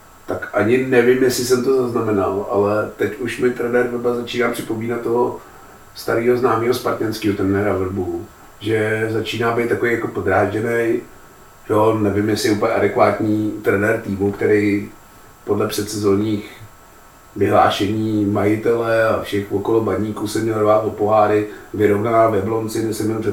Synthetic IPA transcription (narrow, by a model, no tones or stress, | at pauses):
t̪akʔaɲɪnɛvɪmjɛsɪsɛmt̪ozaznamɛna̰lʔa̰lɛt̪ɛcuʃmɪt̪ɾɛnɛɾvɾ̩bazat͡ʃiːnaːpr̥ɪpo̞miːnat̪t̪ːoɦo | st̪aɾiːɦo̞znaːmiːɦospaɾt̪ɲɛnskiːɦot̪ɾɛnɛɾavr̩bu | ʒɛzat͡ʃiːnaːbɛjt̪t̪ːakovejakopod̪ɾaːʒɛnɛj | jonɛvɪmjɛsɪɛuːpəɲɛʔadɛkvaːt̪ɲiːt̪ɾɛnɛɾt̪iːmukt̪ɛɾɛj | podlɛpr̥ɛt̪sɛzoːɲiːx | vɪɦla̰ːʃɛɲiːmajɪt̪ɛlɛafʃɛxvokolobadɲiːkuːsɛmɲɛlvaːt̪vopoɦaːɾɪvɪɾovnanaːvɛblo̞nt͡sɪɡnɛsɛmɲɛlprɛ